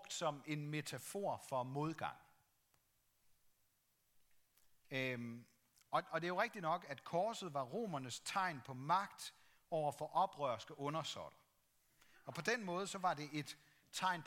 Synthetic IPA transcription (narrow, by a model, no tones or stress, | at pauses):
ɡ̥d̥sɒ̽me̝nme̝t͡sʰæfo̝̰ɐ̰fɒ̽mo̝ðˠɡ̥ɑ̈ŋ̰ | ɒɒ̽d̥e̝æjo̝ʁeɡ̥̚d̥inɒ̽ɡ̥æd̥kʰɒːsð̩ˠʋɑ̈ʁo̝̰ːmɐnəst͡sʰɑ̈ɪ̰npʰɒ̽mɑ̈ɡ̥d̥ | ɒʊ̰ɐfɒ̽ʔɒ̽b̥ʁœɐsɡ̥əʔɔ̽nɐsɒ̰d̥ɐ | ɒ̽pʰɒ̽d̥enmɔ̽ːð̞̩ˠəsɒ̽ʋɑ̈d̥e̝ʔe̝d̥ | t͡sʰɑ̈ɪ̰npʰ